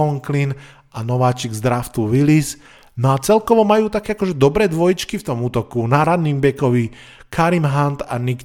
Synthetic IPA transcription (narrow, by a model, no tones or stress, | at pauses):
ɔlŋklin | ʔanɔʋaːt͡ʃiɡzd̪ɾaft̪uʋilis | nɔat͡sɛlkɔʋɔmajuːt̪akɛːakɔʒɛd̪ɔbɾɛːd̪ʋɔjit͡ʃkift̪ɔmuːt̪ɔkunaɾad̪nimbɛkɔʋi | kʰaɾimɦant̪a̰nik